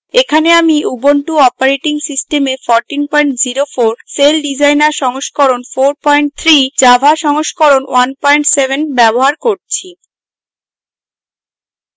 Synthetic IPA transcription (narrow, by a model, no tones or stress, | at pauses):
ekʰaneamiuboɳʈuɔpaɾeʈiŋsisʈemefɔɾʈinpɔjɳʈd͡ʑiɾofoɾselɖid͡ʑajnaɾʃɔŋoʃkoɾonfoɾpɔjɳʈ̚t̪ʰɾid͡ʑabʱaʃɔŋoʃkoɾonwanpɔjɳʈsebʱenbɛboɦaɾkoɾt͡ɕʰi